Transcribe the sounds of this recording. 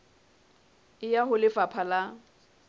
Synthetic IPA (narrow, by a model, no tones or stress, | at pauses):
ɪjaɦʊlɪfapʰala